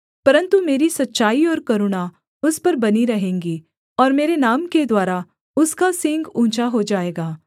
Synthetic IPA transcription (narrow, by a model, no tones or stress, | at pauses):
pɐɾə̃nt̪umeːɾisɐtːʃaːiɔːɾkɐɾʊɽ̃a | ʊspɐɾbɐniɾɐɦẽːŋɡiː | ɔːɾmeːɾenaːmked̪waːɾa | ʊskasɪ̃ŋɡũːt͡ʃaɦod͡ʒaːeːɡaː